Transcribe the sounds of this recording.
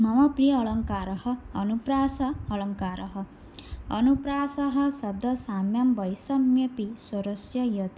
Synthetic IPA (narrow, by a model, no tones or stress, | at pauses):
mamʌpɾijʌːɭʌŋkaɾʌhʌːnupɾasʌːɭʌŋkaɾʌɦʌ | ʌ̰nupɾasʌɦʌsʌb̚d̪ʌsamjʌmbʌjsʌmjʌpisoɾɔsjʌjʌt̪i